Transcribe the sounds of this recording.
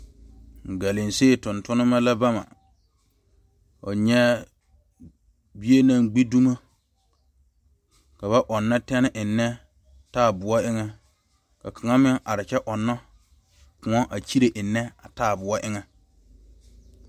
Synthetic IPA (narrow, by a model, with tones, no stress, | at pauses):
ŋ̩˨ɡa˨lɪ˨nse˦˨tʊ̃˨ntʊ˦nɪ˦ma˦la˦ba˦ma̰˨ | o̰˨ɲɛ˦ | bi˦e˦nã˦˨ŋɡ͡bi˦du˦ma˦ | ka˨βa˦ʔɔ˨nːa˦tɛ˦nɪ˦ʔɪ˨nːɛ˦ | taː˦˨bʊ˨a˦ʔɪ˦ŋɛ˦ | ka˨kʰa˨ŋa˦mɪ˦ŋʔa˨ɾɪ˨t͡ʃɛ˦ʔɔ˨nːɔ˦ | kʊ̃˨ɔ˦ʔa˨t͡ʃi˦ɾe˨ʔɪ˨nːɛ˦a˨taː˦˨bʊ˨ɔ˦ʔɪ˦ŋɛ˦